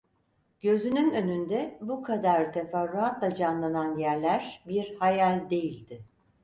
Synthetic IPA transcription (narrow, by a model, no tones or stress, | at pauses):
ɟ̥ø̞zynynø̞nynd̪ɛbukʰad̪aɾt̪ʰefaɾːuat̪lˠad͡ʒanlˠananjæɾlʲæɾ̥biɾhajalʲd̪e̞jilʲd̪ɪ